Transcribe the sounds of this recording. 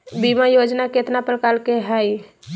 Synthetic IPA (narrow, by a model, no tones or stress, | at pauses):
bimajod͡ʒnaket̪napəlkalkeɦəj